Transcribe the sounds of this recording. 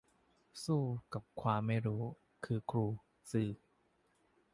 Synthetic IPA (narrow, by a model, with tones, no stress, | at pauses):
suː˥˩ka˨˩p̚kʰwaː˧mːa˥˩jɾuː˦˥ | kʰɯː˧kʰɾuː˧ | sɯː˨˩